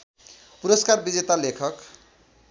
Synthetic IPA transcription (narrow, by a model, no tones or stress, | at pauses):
puɾʌskarbid͡zet̪alekʰʌk